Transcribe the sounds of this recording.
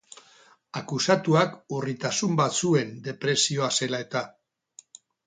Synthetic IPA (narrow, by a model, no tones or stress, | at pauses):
akusat̪uakurit̪asumbat͡sue̞nd̪e̞pɾe̞sio̞ase̞lae̞t̪a